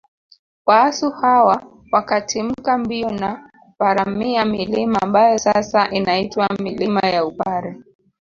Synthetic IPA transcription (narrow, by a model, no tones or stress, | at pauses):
waːsuhawa | wakatʰim̩kambiɔna | waɾamiamilimaːmbajɔsasaʔinaitwamilimajaupaɾɛ